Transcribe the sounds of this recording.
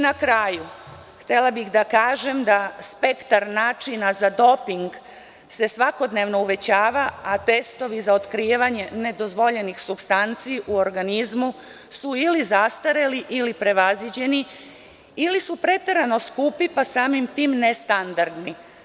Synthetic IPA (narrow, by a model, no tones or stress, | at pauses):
nakɾaːju | xt̪e̞labixd̪akaːʒemd̪aspe̞kt̪aɾnaːt͡ʃinazad̪o̞piŋɡ | se̞sʋako̞d̪ne̞ʋno̞uʋe̞t͡ɕaːʋaat̪e̞st̪o̞ʋizaot̪kɾiːʋaɲe̞ne̞d̪o̞zʋo̞ʎe̞nixsubst̪ant̪siʔuo̞ɾɡanizmu | suilizast̪aɾeliʔilipɾe̞ʋazid͡ʑe̞ni | ilisupɾe̞t̪e̞ɾano̞skupipasaːmimt̪iːmnest̪and̪aɾd̪ni